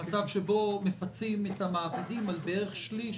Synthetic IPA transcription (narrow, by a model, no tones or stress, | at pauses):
at͡savʃebo̞mefat͡simethamaːbadimalbeʁeχʃli